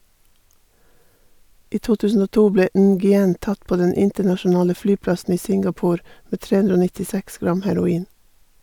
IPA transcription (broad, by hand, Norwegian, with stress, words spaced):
ˈiː ˈtuː ˈtʉːsn̩ ˈoː ˈtuː ˈbleː ˈnɡʏˌɛn ˈtɑt ˈpoː ˈdɛn ˈɪntəɳɑʃʊˌnɑːlə ˈflyːˌplɑsn̩ ˈiː ˈsɪŋɡɑˌpuːɾ ˈmeː ˈtɹeː ˈʉndɾ ˈoː nɪtɪˈsɛks ˈɡɾɑm hæɾʊˈiːn